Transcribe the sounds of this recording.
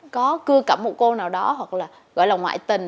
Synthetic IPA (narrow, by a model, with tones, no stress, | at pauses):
kɔ˨˦kɨ˧əkə˧˩p̚mo̰˧˩ko˧naː˨˩wɗɔ˨˦ɦwa˨˩k̚laː˨˩ | ɣɔ̰˧˨jlaː˨˩ŋwa̰ː˧˨jt̪ï˨˩ŋ̟